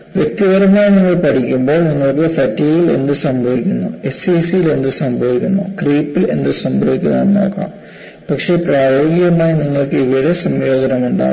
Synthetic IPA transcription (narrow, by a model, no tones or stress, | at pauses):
ʋjek̚t̪iɣɐɾɐmaːjiniŋːɐɭpɐʈʰikʲːumbo̞ːɭniŋːɐɭkɨfɐtːiːjile̞̰nd̪ɨsɐmbʱɐʋikʲːunːṵe̞siːsijile̞nd̪ɨsɐmbʱɐʋikʲːunːṵkriːpːile̞̰nd̪ɨsɐmbʱɐʋikʲːunːɐnːo̰ːkːa̰ːm | pɐkʂe̞praːjoːɡiɣɐmaːjiniŋːɐɭkɨiʋiɽesɐmjo̞ːd͡ʑɐnɐmuɳɖa̰ː